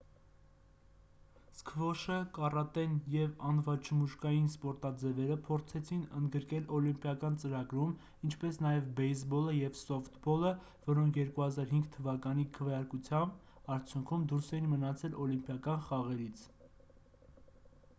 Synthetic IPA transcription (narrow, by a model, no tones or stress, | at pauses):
skʰəvɔʃəkɑrɑt̪ɛnjɛvɑnvɑt͡ʃʰəmuʃkɑjinspɔɾt̪ɑd͡zɛvɛɾəpʰɔɾt͡sʰɛt͡sʰinənd̪ɡəɾkɛlɔlimpjɑkɑnt͡səɾɑɡɾum | int͡ʃʰpɛsnɑjɛvbɛjsbɔləjɛvsɔft̪bɔlə | vɔɾɔŋkʰjɛɾkuhɑzɑɾɦiŋɡt̪ʰːəvɑkɑnikʰəvjɑɾkut͡sʰjɑmb | ɑɾt͡sʰjuŋkʰumd̪uɾsɛjinmənɑt͡sʰɛlɔlimpjɑkɑnχɑʁɛɾit͡sʰ